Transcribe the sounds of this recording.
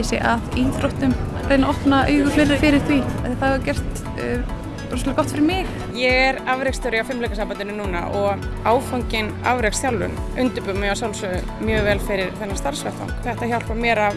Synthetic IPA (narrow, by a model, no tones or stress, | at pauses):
sjɛ̰ʔaðiθɾowht̪ʏmɾeːjnaʔɔhpnaʔœːjɣʏ̥flɪrːɪfɪɾɪɾ̥θviaθθaɣacɛr̥t̪ː | pːɾsɔlakɔht̪fɪɾɪɾmɪx | jɛɾavɾɛkst̪ʰœɾjawfɪmlejkasaːmpant̪ɪnʏnuːna̰ʔɔɣaːwfawɲcɪna̰vɾɛksθjawlːʏ̰nʏnt̪ʏpʏmːɪawsjawlsœʏnmjœːɣvɛːlfɪɾɪɾθɛnːast̪aɾ̥svɛt̪a̰wŋ̥kθɛht̪açawl̥kvamjɛːɾa